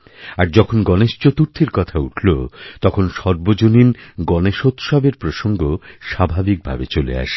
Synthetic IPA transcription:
aɾd͡ʑɔkʰonɡɔneʃt͡ɕot̪uɾt̪ʰiɾkɔt̪ʰauʈʰlot̪ɔkʰonʃɔɾbod͡ʑoninɡɔneʃot̪ʃɔbeɾpɾoʃoŋɡoʃabʱabik̚bʱa̰bet͡ɕolḛa̰ʃ

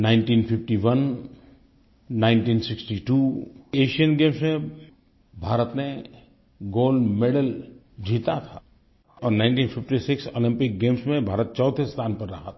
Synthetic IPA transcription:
naːɪ̃nʈiːnpʰɪfʈiʋən | ãːɪ̃ɳʈiːnsɪksʈiʈueːʃijənɡẽːmsmẽ | bʱaːɾət̪ne | ɡoːlɖmeɖəl | d͡ʒʱiːt̪at̪ʰaː | ɔːɾnãɪnɳʈiːnpʰɪfʈisɪkso̰ːlɪ̃mpɪk̚ɡeːmsmẽbʱaːɾət̪̚t͡ʃɔːt̪ʰist̪ʰaːnpəɾːɐɦat̪ʰa

